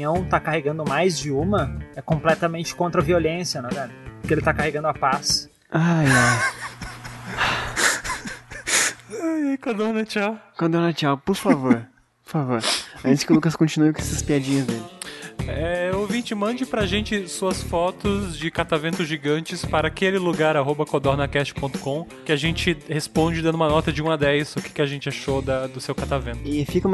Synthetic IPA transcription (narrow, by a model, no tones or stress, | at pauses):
ɐ̃w̃t̪akaheɡɐ̃nd̪ʊmajzd͡ʒɪũmɐɛkõmplɛt̪ɐmẽnt͡ʃɪ̥kõnt̪ɾɐviolẽsjɐnɛ̃vɛɾʊpʊɾkɪelɪt̪akaheɡɐ̃nd̪ʊapas | aja | ajɛkɐ̃d̪onɐt͡ʃawkɐ̃d̪oɾnɐt͡ʃawpoɾfavoɾ | oɾfavoɾaʒ̃sɪkɪlukɐskõt͡ʃinuɪkõɛsɐspiad͡ʒĩɲɐzd̪elɪ | ɛowvĩnt͡ʃɪmɐ̃nd͡ʒɪpɾɐʒẽnt͡ʃɪsuɐsfɔt̪ʊzd͡ʒɪkat̪avẽnt̪ʊʒiɡɐ̃nt͡ʃɪspaɾɐaːkelɪluɡaɾaɦobɐkod̪oɾnɐkɛst͡ʃɪ̥põnt̪ʊ̥kõ | kɪaʒẽnt͡ʃɪhespõd͡ʒɪd̪ɐ̃nd̪ũmɐnɔt̪ɐd͡ʒɪũɐd̪ɛjsʊkɪ̥kɪaʒẽt͡ʃɪaʃod̪ɐd̪ʊsewkat̪avẽnt̪ʊɪfikɐũmɐ